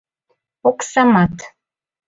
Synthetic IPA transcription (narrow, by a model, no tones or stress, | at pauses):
oksamat̪ʰ